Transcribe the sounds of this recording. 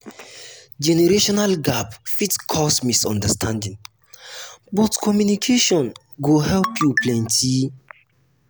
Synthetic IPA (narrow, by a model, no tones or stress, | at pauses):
d͡ʒɛnɛɹeʃɔnalɡapfitkʰɔsmisɔ̃ndəstʰãndĩŋ | bɔtkʰɔmjunikʰeʃɔ̃n | ɡohɛlpʰjuplɛ̃ntʰi